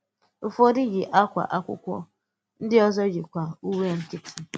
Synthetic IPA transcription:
fo˦di˦ɡɪ˨ʔa˦kʷa̰˨ʔa˦kʷʊ̰˦kʷɔ̰˦ | n̩˦dɪ˦ɔ˦zɔ˦ɡɪ˨kʷa˨u˦we˦ŋ̩˦kɪ˦tʰɪ˦

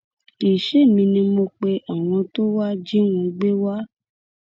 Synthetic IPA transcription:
i˨ʃe˦˨mĩ˧nĩ˧mo˧k͡pe˧ʔa˨w̃ɔ̃˧to˦wa˦d͡ʒi˦wũ˨˧ɡ͡be˦wa˦

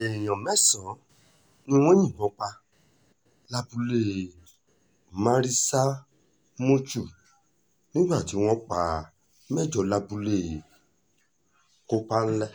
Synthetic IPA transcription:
e˨j̃ɔ̃˨mɛ˦˨sɔ̃˨˦ | nĩ˦w̃ɔ̃˦ɲĩ˦˨ɔ̃˨˦k͡pa˧ | la˧bu˧le˦˨ | mã˧ɾi˦sa˦ | mo˦t͡ʃu˦˨ | nĩ˦ɡ͡ba˦˨ti˨˦w̃ɔ̃˦k͡pa˨˦˨ | mɛ˦˨d͡ʒɔ˨˦la˧bu˧le˦˨ | ko˧k͡pa˦n̩˦lɛ˦˨

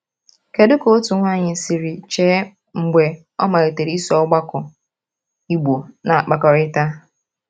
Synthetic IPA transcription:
ke˨dʊ˦ko˦tʊ˨˦ŋʷa˦˨ɲɪ˨n̩˨si˨ɾi˨t͡ʃeː˦ | ŋ͡m̩˨ɡ͡be˨ | ɔ˦ma˨ɾe˨te˨ɾi˦i˦sɔ˦ɡ͡ba˦kʊ˨ | i˦ɡ͡bo˨na˨a˨k͡pa˨kɔ˨ɾɪ˦ta˦

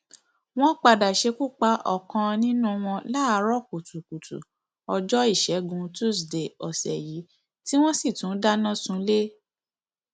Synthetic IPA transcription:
w̃ɔ̃˦k͡pa˧da˨ʃe˧ku˦k͡pa˧˦ʔɔ̰˦˨kã˧nĩ˦nũ˦w̃ɔ̃˧la˦˧ɾɔ˦˨ku˨tu˨ku˨tṵ˨ | ɔ˧d͡ʒɔ˦i˦˨ʃɛ˨˦ɡũ˧tu˦˨sde˨ɔ˨sɛ̰˨ji˨˦ | ti˦w̃ɔ̃˦si˦˨tũ˨˦da˦nã˦sũ˧le˦

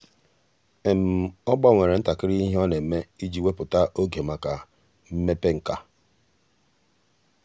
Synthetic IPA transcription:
e˨m̩˨ɔ˦ɡ͡ba˦˨ŋʷe˨ɾe˨n̩˦ta˨kɪ˦ɾi˦i˦ɦe˦ɔ˦ne˨m̩˨me˦i˦d͡ʒi˦we˦pʊ˨ta˦ʔo˦ɡe˨ma˦ka˨ | m̩˦me˦pe˦ŋ̩˨ka˦

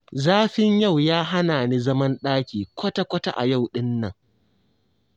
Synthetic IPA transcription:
zaː˦ɸɪ˦ɲja˦˨wjaː˦ɦa˦naː˨niː˦zɐ˦mɐ˦nɗaː˦kʲiː˨kʷʰɐ˦ta˦kʷɐ˦ta̰˦ʔa̰˨ja˦˨wɗɪ˦nːɐ˨ŋ

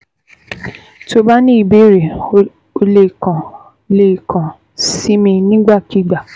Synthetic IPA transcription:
to˧ba˦nĩ˦i˨be˦ɾe˨ | o˧le˧˨kã˨ | le˦˨kã˨ | si˦mĩ˧nĩ˦ɡ͡ba˦˨ki˨˦ɡ͡ba˨

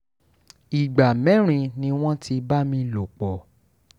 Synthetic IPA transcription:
i˨ɡ͡ba˨mɛ̃˨˦ɾ̃ĩ˧nĩ˧w̃ɔ̃˦ti˧ba˦mĩ˧lo˨k͡pɔ˨

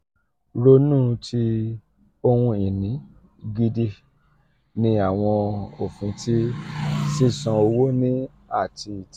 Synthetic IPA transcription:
ɾo˧nũ˦˨tʰi˧ | o˧hũ˧i˨nĩ˨˦ | ɡi˧di˧ | nĩ˧a˦˨w̃ɔ̃˧o˨fũ˨˦tʰi˦sĩ˦sã˧o˧wo˦nĩ˦ | a˦˨ti˧˨t

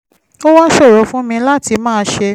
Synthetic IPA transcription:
o˦wã˦ʃɔ˦˨ɾɔ˨˦fũ˦mĩ˧la˦ti˧mãː˦˧ʃe˧

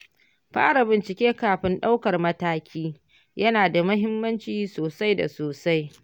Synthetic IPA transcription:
ɸa̰ː˦ɽa˨bɪ˨nt͡ʃɪ˨kʲeː˦kaː˨ɸɪ˦nɗa˦wkɐ˨rmɐ˦taː˦kʲiː˦ | jɐ˦naː˨da˨mʊ˦ɦɪ˦mːɐ˦nt͡ʃiː˨soː˨sa˦jda̰˨soː˨sa˦j

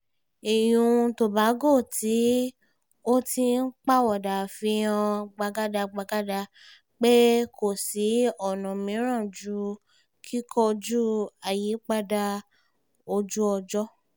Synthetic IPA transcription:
i˨j̃ũ˧to˨ba˨˦ɡo˦˨ti˨˦ | o˦ti˧n̩˦k͡pa˦wɔ˨da˨fĩ˧˦ã˧ɡ͡ba˧ɡa˦da˧ɡ͡ba˧ɡa˦da˧ | k͡pe˦ko˨si˨˦ɔ˦˨nã˨mĩ˨˦ɾ̃ã˦˨d͡ʒu˦ | kʰi˦kʰɔ˧d͡ʒu˦a˨ji˨˦k͡pa˦da˧ | o˧d͡ʒu˦ɔ˧d͡ʒɔ˦

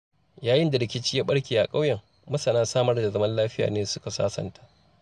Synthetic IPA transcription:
jaː˨jɪ˦nda˨ɽɪ˨kʲɪ˦t͡ʃiː˦jaː˦ɓɐ˦ɽkʲeː˨ʔa˨kʼa˦wjɐ˨ŋ | mɐ˦sɐ˨naː˦saː˦mɐ˦rda˨zɐ˦mɐ˦nlaː˦ɸɪ˦ja̰ː˨neː˦sʊ˦ka˨sa̰ː˦sɐ̰˨ntaː˦ʔ

